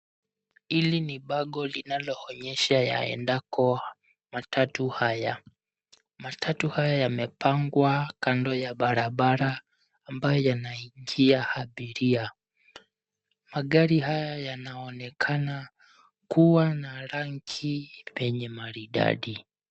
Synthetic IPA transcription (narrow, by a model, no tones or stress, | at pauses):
iliniɓaɠɔlinalɔɔɲɛʃaja̰ɛ̰ndakʰɔ | matatuhaja | matʰatuhajajamɛpaŋɡwakandɔjaɓaɾaɓaɾaː | mbajɔjanaiŋɡiahaɓiɾia | maɠaɾihajajanaɔnɛkʰana | kuwanaɾaŋkʰivɛɲɛmaɾiɗa̰ɗi